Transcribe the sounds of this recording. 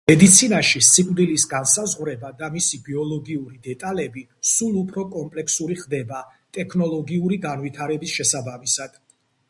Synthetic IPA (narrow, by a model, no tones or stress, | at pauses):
mɛd̪it̪sʰinaʃisʰʼikʼvd̪ilisɡansazʁwɾɛbad̪amisibiɔlˠɔɡiuɾid̪ɛt̪ʼalɛbi | sulˠupʰɾɔkʼɔmpʼlɛksuɾiχd̪ɛbat̪ʼɛkʰnɔlˠɔɡiuɾiɡanvit̪ʰaɾɛbisʃɛsabamisad̪̥